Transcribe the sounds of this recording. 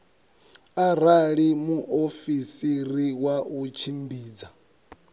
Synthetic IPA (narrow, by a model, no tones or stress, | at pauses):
aɾaɺimuʔofisiɾiwaut͡ʃʰimbiːd͡za